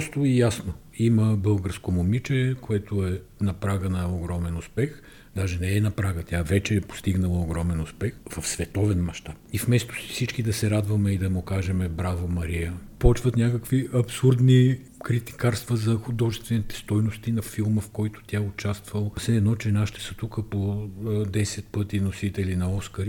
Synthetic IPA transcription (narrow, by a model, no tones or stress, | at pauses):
pst̪oijasno | iməbɤlˠɡəɾskomomit͡ʃɛkoɛt̪oɛ | nɐpɾaɡənɐoɡɾɔmɛnʊspɛx | d̪aʒɛnɛɛnɐpɾaɡət̪ʲjavɛt͡ʃɛːpo̥st̪iɡnəlˠəoɡɾɔmɛnʊspɛxvɐfsvɛt̪ɔvɛnmɐʃt̪ap̚ifmɛst̪o̥sɛ̥sit͡ʃkid̪ɐsɛɾad̪vɐmɛid̪ɐmokaʒɛmɛbɾavomɐɾijəpɔt͡ʃvɐt̪nʲakəkviʔɐpsuɾd̪ni | kɾit̪i̥kaɾst̪vəzɐxʊd̪ɔʒɛst̪vɛnit̪ɛ̥st̪ɔjnost̪inɐfilˠməfkɔjt̪ʊ̥t̪ʲjaɛʊt͡ʃast̪vɐlˠəfsɛɛːd̪nɔt͡ʃɛnaʃit̪ɛ̥sət̪ukəpod̪ɛsɛt̪̚pɤt̪inosit̪ɛlinɐɔskəɾi